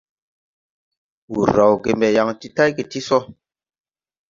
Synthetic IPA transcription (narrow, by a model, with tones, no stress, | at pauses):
wu˨ɾːa˨wɡe˨mbɛ˨ja˨ŋti˦ta˦jke˨ti˦sɔ˦